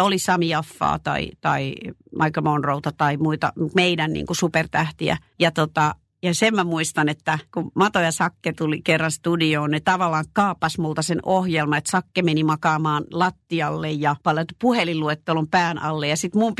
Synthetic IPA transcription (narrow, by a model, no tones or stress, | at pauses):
olisɑmiɑfːɑ̰ːt̪ɑ̰ḭt̪ɑimɑikomonrout̪ɑt̪ɑimuit̪ɑ̰meidænnḭːŋkusupert̪æht̪iæ̰ | jɑt̪ot̪ɑ | jɑsemmæmuist̪ɑnet̪ːækummɑt̪ojɑsɑkːet̪ulikerːɑnst̪udioːnnet̪ɑʋɑlːˑɑːŋkkɑːpːɑsmult̪ɑsenohjelmɑet̪sɑkːemenimɑkɑːmɑːnlɑt̪ːiɑlːejjɑpɑlt̪puhelilluet̪ːelompæːnʔɑ̰lːejɑsit̪mump